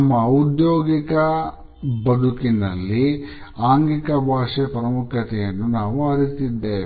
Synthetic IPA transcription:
mːɐud̪joːɡikɐ | bɐd̪ukinɐlːi | aːŋɡikɐbʱaːʂɛpɐɾɐmukʰɾɐt̪ɛjɐnːunaːʋuɐɾit̪id̪ːeː

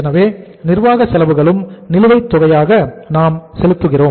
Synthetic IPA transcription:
ɛnɐʋeː | nɪɾʋaːɣɐsɛlɐʋɯɣɐɭɯmnɪlɯʋɐɪt̪ːɔɣɐjaːɣɐnaːmsɛlɯt̪ːɯɣɪroː

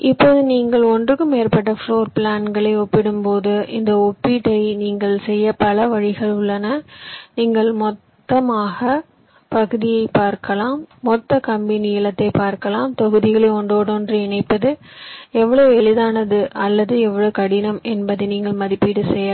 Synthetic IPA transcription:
ʔɪpːoːðɯniːŋɡɐɭɔndrɯkːɯmeːɾpɐʈːɐfɭoːɾpɭaːnɡɐɭɐɪɔpːɪɽɯmpoːðɯʔɪnd̪ɐɔpːiʈːɐɪniːŋɡɐɭsɛjːɐpɐlɐʋɐɻɪɣɐɭʊɭːɐnɐniːŋɡɐɭmɔt̪ːɐmaːɣɐ | pɐɣɯðɪjɐɪpaːɾkɐlaːmːɔt̪ːɐkɐmbɪnɪjɪlɐt̪ːɐɪpaːɾkɐlaːmt̪ɔɣɯðɪɣɐɭɐɔɳɖoːɽoːndrɯɛɳɐɪpːɐðɯɛʋːɐɭoːɛɭɪðaːnɐðɯʔɐlːɐðɯɛʋːɐɭoːkɐɽɪnɐmɛnbɐðɐɪniːŋɡɐɭmɐðɪpːiʈːɯsɛjɐa

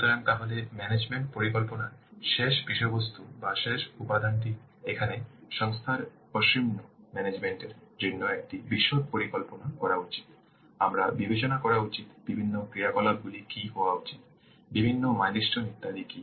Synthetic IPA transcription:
ʃut̪oɾaŋt̪aɦolemɛned͡ʑmeɳʈ̚poɾikɔlponaɾʃeʃbiʃobost̪ʰubaʃeʃupad̪ʱanʈ̬i | ekʰaneʃɔŋst̪ʰaɾ | poʃimnomɛned͡ʑmeɳʈeɾd͡ʑonːoek̚ʈibiʃːod̪̚poɾikɔlponakɔɾaut͡ɕi̥t̪ | amɾa̰bibet͡ɕonakɔɾaut͡ɕit̪b̥ibʱinːokɾiakɔlab̚ɡulikiɦɔoaut͡ɕit̪̚ | bibʱinːomajniʃʈonit̪ːaliki

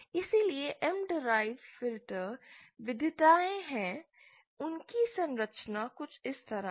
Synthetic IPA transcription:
ɪsilieʔɛmɖɪɾaːɪʋfɪlʈəɾʋɪd̪ʱɪt̪aːẽɦɛ̃ | ʊnkisɐ̃nɾəʃnakʊt͡ʃʰɪst̪ɐɾa

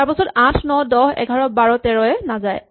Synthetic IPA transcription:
aɹpɔsɔtãtʰnɔdɔhɛ̰ɡʱaɹɔbaɹɔtɛɹɔjɛnazaj

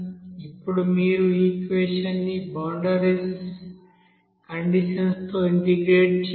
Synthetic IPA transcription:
ipːuɽumiːɾuiːkʋeːʃɐnːibɐwɳɖɐɾiɡs | kɐɳɖiʃɐnst̪o̞ːiɳʈiɡɾeːʈt͡ʃ

